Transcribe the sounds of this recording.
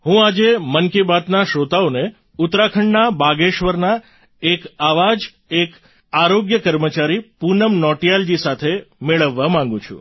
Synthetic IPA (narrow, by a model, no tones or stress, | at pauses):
ɦũad͡ʒemənkibat̪naʃot̪aone | ʊt̪ɾakʰəɳnabaɡeʃʋəɾna | ekaʋad͡ʒ | ek | aɾoɡjəkəɾmət͡ʃaɾipunəmnɔʈijald͡ʒisat̪ʰemeɭəʋːamãŋ̆ɡũt͡ʃʰṵ̃